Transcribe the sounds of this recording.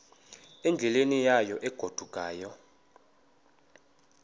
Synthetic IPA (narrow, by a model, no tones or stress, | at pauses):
ɛnd͡ɮʱɛlenijajɔʔɛɡ̥ʱod̥ʱuɡ̥ʱʼaːjɔ